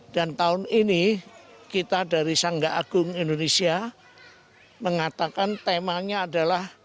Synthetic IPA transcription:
d̥ant̪aʊninikit̪adaɾisaŋɡaʔaɡ̥ʊŋindonesia | məŋat̪akant̪emaɲaːdalah

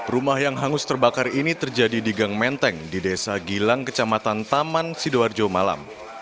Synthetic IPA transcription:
rumahjaŋɦaŋʊst̪ərbakarinit̪ərd͡ʒadidiɡaŋmɛnt̪ɛŋdidesaɡilaŋkət͡ʃamat̪ant̪amansidoard͡ʒomala̰m

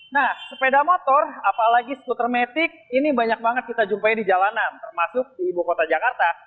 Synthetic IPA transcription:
nahsəpedamot̪ɔrapalaɡisə̥kut̪ərmet̪ɪk̚inibaɲak̚baŋət̪̚kit̪ad͡ʒumpaidid͡ʒalanant̪ərmasʊk̚diːbukot̪ad͡ʒakart̪a

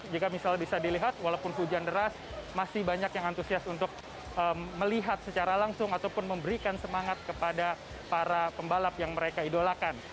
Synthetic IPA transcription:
d͡ʒikamisalbisadiliɦat̪̚walawpʊnɦud͡ʒandəɾas | masɪhbaɲakjaŋant̪usiasunt̪ʊk̚ | əməliɦat̪̚sət͡ʃaɾalaŋsʊŋat̪awpʊnməmbəɾikansəmaŋat̪̚kəpada | paɾapəmbalapjaŋməɾekaidolakan

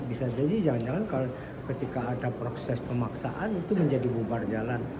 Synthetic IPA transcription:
bisad͡ʒadid͡ʒaŋand͡ʒaŋankalo | kət̪ikaːdapɾosɛspəmaksa̰ʔanit̪uməɲd͡ʒadibubard͡ʒalan

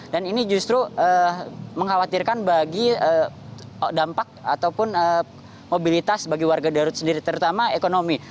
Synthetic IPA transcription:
daninid͡ʒust̪ɾuʔəməŋɦawat̪irkanbaɡiə | dampak̚a̰t̪awpʊnə | mobilit̪asbaɡiwarɡadaɾʊt̪səndiɾit̪əɾut̪amaekonomi

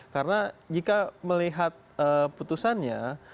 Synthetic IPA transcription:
kaɾənad͡ʒikaməliɦat̪̚əput̪usanɲa

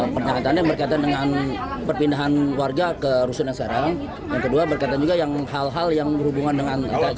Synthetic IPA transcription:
pərɲaŋat̪anjaŋbərkaat̪andəŋanpərpindaɦanwarɡakəɾusʊnjaŋsəkaɾaŋ | jaŋkəduabərkat̪and͡ʒuɡajaŋɦalɦaljaŋəhubuŋandəŋana̰t̪a

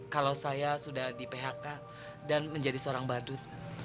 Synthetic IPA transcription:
kalawsajasudahdipeɦaka | danməɲd͡ʒadisəoɾaŋbadʊt̪̚

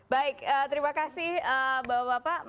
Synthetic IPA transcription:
baɪkəːt̪əɾimakasɪhəbawabapa

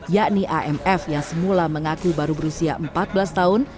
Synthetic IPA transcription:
jaʔniʔaʔɛmɛfjaŋsəmulaməŋakubaɾubəɾusia̰ʔəmpat̪̚bəlast̪aʊn

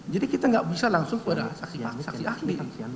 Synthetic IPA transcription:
d͡ʒadikit̪aŋɡaʔbisalaŋsʊŋkəpadasaksiasasiʔahli

